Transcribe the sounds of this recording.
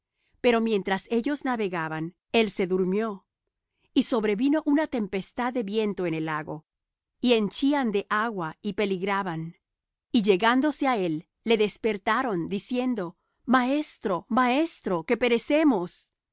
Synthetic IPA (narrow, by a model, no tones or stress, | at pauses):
pe̞ɾo̞mje̞nt̪ɾase̞ʝo̞znaβe̞ɣaβan | e̞lse̞ðuɾmjo̞ | iso̞βɾe̞βino̞ʔunat̪e̞mpe̞st̪aðːe̞βje̞nt̪o̞enelaɣo̞̰ | ie̞nt͡ʃiand̪e̞ʔaɣwaipe̞liɣɾaβan | iʝe̞ɣand̪o̞se̞ae̞lː | e̞ðe̞spe̞ɾt̪aɾo̞nd̪isje̞nd̪o̞ | mae̞st̪ɾo̞mae̞st̪ɾo̞ke̞pe̞ɾe̞se̞mo̞s